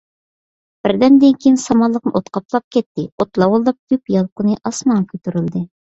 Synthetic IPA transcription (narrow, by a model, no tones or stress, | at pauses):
b̥ɪɾd̪ɛnd̪ɪŋkʲejinsɑmɑlˠəqnɨʔot̪qɑplˠɑp̚kʲʰɛt̪ːɪot̪lˠɑwolˠd̪ɑp̚d̪ypjɑlˠqʊnɨʔɑsmɑɴkʲʰøt̪yɾyld̪ɨ